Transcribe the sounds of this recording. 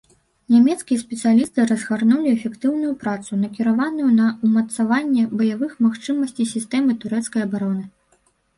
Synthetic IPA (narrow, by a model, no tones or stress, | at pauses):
nʲamʲɛt̪skʲijɛspʲɛt̪sɨjalʲist̪ɨɾɐzɣarnulʲiɛfʲɛkt̪ɨwnujupɾat̪sun̪ɐkʲiɾavanujunɐumɐt̪savanʲːɛbɐjavɨxmaxt͡ʂɨmɐsʲt͡sʲisʲist̪ɛmɨt̪uɾɛt̪skɐjɐbaɾɔnɨ